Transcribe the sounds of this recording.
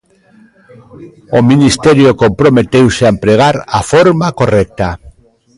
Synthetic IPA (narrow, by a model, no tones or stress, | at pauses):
ominist̪eɾjokompɾomet̪ewseaempɾeɣ̞aɾafoɾmakorɛk̚t̪a